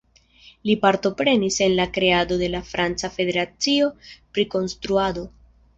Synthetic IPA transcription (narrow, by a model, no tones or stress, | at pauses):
lipaɾto̞pɾe̞nise̞nlakɾe̞ado̞de̞lafɾant͡safe̞de̞ɾat͡sio̞pɾiko̞nst̪ɾuado̞